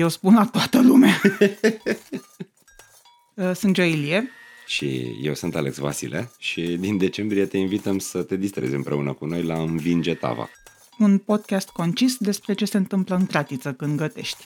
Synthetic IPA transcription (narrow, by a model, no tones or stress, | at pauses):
jewspunlat̪oat̪əlumea | sɨnd͡ʒoilie | ʃḭje̞wsɨnt̪aleksva̰sḭle̞̰ʃid̪ind̪e̞t͡ʃe̞mbɾijet̪e̞invit̪əmsət̪e̞d̪ist̪ɾe̞̰zʲɨmpɾe̞unəkuno̞jlaɨnvind͡ʒet̪a̰va̰ | unpo̞d̪̚kʲast̪ko̞nt͡ʃisd̪e̞spɾe̞t͡ʃe̞se̞ɨnt̪ɨmpləɨŋɡɾat̪it̪səkɨnd̪ɡət̪e̞̰ʃt̪ʲ